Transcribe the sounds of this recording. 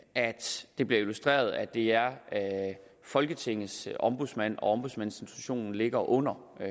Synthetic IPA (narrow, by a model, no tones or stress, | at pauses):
ʔæd̥d̥e̝b̥liɐilusd̥ʁḛːɐð̞ˠæd̥e̝æɐ | fɒ̽lɡ̥ət͡sʰe̝ŋ̰ðˠsʔɒ̽mb̥uðˠsmæn̰ɒ̽ɒ̽mb̥uðˠsmænsensʰuɕo̝̰ːnn̩le̝ɡ̥ɐʔɔ̽n̰ɐ